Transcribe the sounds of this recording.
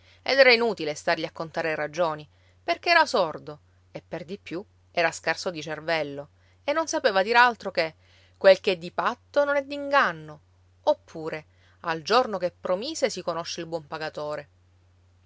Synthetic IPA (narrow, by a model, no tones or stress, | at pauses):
ḛd̪ɛːɾainuːt̪ilest̪arʎiakːont̪aːɾeɾad͡ʒoːni | perkeɛːɾasord̪o | epːerd̪ipːju | ɛːɾaskarsod̪it͡ʃervɛlːo | enːonsapeːvad̪iːɾealt̪ɾoke | kːwelkɛd̪ːipat̪ːononɛd̪ːiŋɡanːo | opʰːuːɾe | ald͡ʒornokepːɾomiːsesikonoʃːeilbwɔmpaɡat̪oːɾe